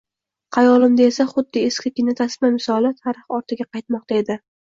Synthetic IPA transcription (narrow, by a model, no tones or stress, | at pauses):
qʰɑjɒlˠɪmd̪ae̞saχʊd̪ːɪeskʲʰɪkʲɪnɪt̪ʰasmamɪsɒlˠɪt̪ʰaɾɨχɒɾt̪ʰɪɡʲaqɑjt̪̚mɒq̚t̪ʰae̞d̪ɪ